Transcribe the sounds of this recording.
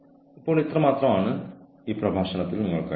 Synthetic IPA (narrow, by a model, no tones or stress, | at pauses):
ipːoːɭit̪rɐmaːt̪rɐmaːɳɨ | iːprɐbʱaːɕɐɳɐt̪ːilniŋːɐɭka